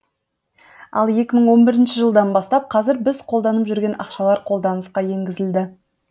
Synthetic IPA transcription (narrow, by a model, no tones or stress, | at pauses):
ɑ̰lˠje̞kʲɪməɴwo̞nbɪɾɪnʃɪʒəlˠd̪ɑnbɑst̪ɑp̚qʰɑzɪɾbɪzqʰo̞lˠd̪ɑnəpʒʏɾɡʲe̞nʔɑ̰qʃɑlˠɑɾqʰo̞lˠd̪ɑnəsqɑje̞ŋɡʲɪzɪld̪ɪ